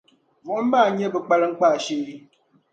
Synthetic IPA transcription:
vɔ˨˦m̩˦baː˦˨ɲ˦ɛ˦bə˨k͡pa˦lɨ˦ŋ͡m̩˦k͡paː˦˨ʃe˦ɾi˦

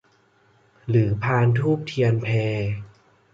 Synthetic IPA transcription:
ɾɯː˩˦pʰaː˧nt̪ʰuː˥˩p̚t̪ʰi˧ənpʰɛː˧

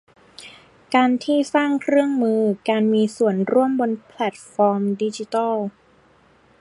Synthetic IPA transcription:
kaː˧nt̪ʰiː˥˩saː˥˩ŋkʰɾɯ˥˩əŋmɯː˧kaː˧nmiː˧su˨˩ənɾu˥˩əmbo˧npʰlɛ˨˩t̪̚fɔː˧mdi˧t͡ɕi˧t̪a˥˩

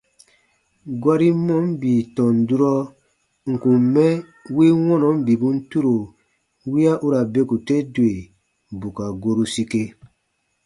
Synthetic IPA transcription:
ɡwa˦ɾi˦mɔ˦m˦bi˨tɔ̃˨n˨du˦ɾɔ˦ | ŋ̩˨kũ˨mmɛ˦ | wi˦wɔ̃˦nɔ̃˨˦m˦bi˨bũ˦n̩˦tu˦ɾo˨ | wi˦a˦ʔu˦ɾa˨be˦ku˨tɛ˦dwe˨ | bu˨ka˨ɡo˧ɾu˦si˧ke˧

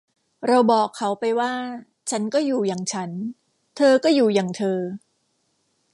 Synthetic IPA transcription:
ɾa˧wbɔː˨˩kʰːa˦˥wpa˧jwaː˥˩ | t͡ɕʰa˦˥nkɔː˥˩juː˨˩jaː˨˩ŋt͡ɕʰa˦˥n | t̪ʰɤː˧kɔː˥˩juː˨˩jaː˨˩ŋt̪ʰɤː˧

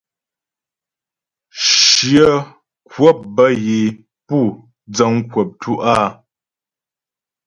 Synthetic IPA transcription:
ʃjə˦ | kwɔ˦˨p̚bə˦je˨ | pu˦˨ | d͡zə˨˦ŋ˦kwə˨p̚tʰu˦ʔaː˦

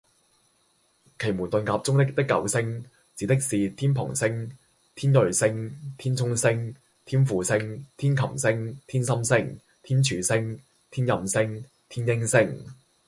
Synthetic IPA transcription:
kʰe˨˩jmuː˨˩nt̪ɵ˨˧nkaː˧p̚t͡sʊ˥ŋt̪ɪ˥k̚t̪ɪ˥kːɐ̰˨˧wsɪ˥ŋ | t͡siː˨˧t̪ɪ˥k̚siː˨t̪ʰiː˥npʰʊ̰˨˩ŋsɪ˥ŋ | t̪ʰiː˥nlɵ˨ɥsɪ˥ŋt̪ʰiː˥nt͡sʰʊ˥ŋsɪ˥ŋ | t̪ʰiː˥nfuː˨˧sɪ˥ŋt̪ʰiː˥nkʰɐ˨˩msɪ˥ŋt̪ʰiː˥nsɐ˥msɪ˥ŋ | t̪ʰiː˥nt͡ʃʰyː˨˧sɪ˥ŋ | t̪ʰiː˥njɐ˨msɪ˥ŋ | t̪ʰiː˥njɪ˥ŋsɪ˥ŋ

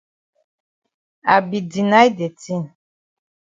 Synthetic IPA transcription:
a̰˨bi˨di˨na˦jde˨ti˦n

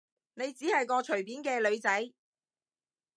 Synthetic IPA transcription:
ne˨˧jt͡siː˨˥hɐ˨jkɔː˧t͡ʃʰɵ˨˩ɥpiː˨˥nkɛː˧lɵ˨˧ɥt͡sɐ˨˥j

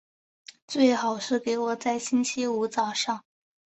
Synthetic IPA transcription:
t͡swe˥˩ɪxɑ˨˩ʊʂɻ̩˥˩ke˧˥ɪwɔ˨˩t͡sa˥˩ɪɕi˥nt͡ɕʰi˥u˧˥t͡sɑ˨˩ʊʂɑ˥˩ŋ

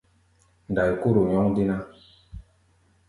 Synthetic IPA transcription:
n˨da˨ji˨ku˦ɾu˨ɲɔ˦ŋdi˦na˦

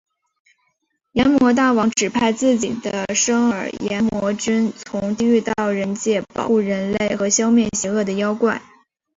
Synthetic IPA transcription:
jɛ˧˥nmwɔ˧˥t̪̬a˥˩wɑ˧˥ŋʈ͡ʂɻ̩˨˩pʰa˥˧ɪt͡sɹ̩˥˩t͡ɕi˨˩d̪ə˦ʂɤ˥ŋəə˞˨˩jɛ˧˥nmwɔ˧˥ʈ͡ʂə˥nt͡sʰʊ˧˥ŋt̪i˥˧y˥˧t̪ɑ˥˩ʊɻə˧˥nt͡ɕjɛ˥˩pɑ̰˨˩˥xu˥˩ɻə˧˥nle˥˩ɪxɤ˧˥ɕjɑ˥ʊmjɛ˥˩nɕjɛ˧˥ɤ˥˩d̪ə˩jɑ˥ʊkwa̰˥˩n

